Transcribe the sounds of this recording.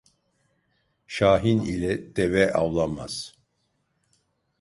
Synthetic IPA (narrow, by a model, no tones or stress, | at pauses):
ʃaːɦinilʲɛd̪̥ɛvɛʔawlˠama̰z̥